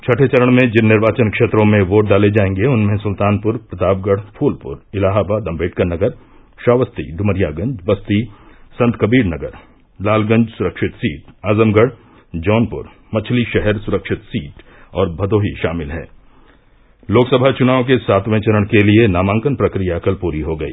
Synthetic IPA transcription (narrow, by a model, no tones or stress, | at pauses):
t͡ʃʰɐʈʰet͡ʃɐɾəɽ̃mẽd͡ʒɪnːɪɾʋaːt͡ʃənkʃeːt̪ɾõmẽʋoːʈ̚ɖaːled͡ʒaːẽːŋɡeʊnmẽsʊlt̪aːnpʊɾpɾɐt̪aːb̚ɡəɽ̤pʰuːlpʊ̰ɾɪlaːɦabaːd̪ɐ̃mbeːʈkənɐɡəɾ | ʃaːʋəst̪ḭd̪ʱʊməɾjaːɡɐ̃ɲd͡ʒbɐst̪isɐ̃nt̪kɐbiːɾnɐɡəɾ | laːlɡɐ̃ɲd͡ʒsʊɾəkʃɪt̪siːʈaːzəmɡəɽ̤ | d͡ʒɔːnpʊ̰ɾ | mɐt͡ʃʰliʃɛɦɛɾsʊɾəkʃɪt̪siːʈ | ɔːɾbʱɐd̪oːɦiʃa̰ːmɪlɦɛ̰ː | loːksəbʱat͡ʃʊnaːʋõk̬esaːt̪ʋẽt͡ʃɐɾəɽ̃kelienaːmãːŋkənpɾɐkɾijakɐlpuːɾiɦoɡɐḭː